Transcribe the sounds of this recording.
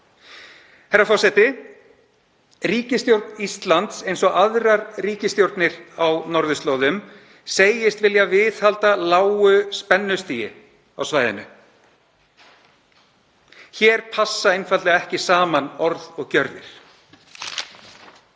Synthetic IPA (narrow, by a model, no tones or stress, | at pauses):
hɛɾːafɔrsɛt̪ɪ | riːcɪst̪jowɾt̪nist̪lant̪sejnsɔɣaðɾaɾriːcɪst̪jowɾt̪nɪɾawnɔɾðʏst̪loːwðʏm | seːjɪst̪vɪljavɪðhalt̪alaːwʏspɛnːʏst̪iːjɪ̰ | a̰wsvaːjðɪ̰nʏ | çɛːɾ̥pʰasːaejnfat̪lɛɣaɛhcɪsaːmanɔɾðɔɣcœɾðɪ̰ɾ̥